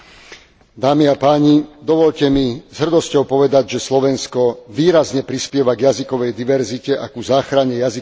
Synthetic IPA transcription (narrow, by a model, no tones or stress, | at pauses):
d̪aːmiapaːɲid̪ɔʋɔʎcɛmiz̥ɦr̩d̪ɔscɔʊpɔʋɛd̪aɟʒɛslɔʋɛnskɔʋiːɾazɲɛpɾispɪɛʋaɡjazikɔʋɛjd̪iʋɛɾzicɛʔakuzaːxɾaɲɛjazi